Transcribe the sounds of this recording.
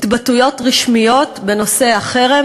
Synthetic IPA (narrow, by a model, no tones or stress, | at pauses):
t̪batujo̞tʁiʃmijo̞tbe̞no̞se̞aχe̞ʁe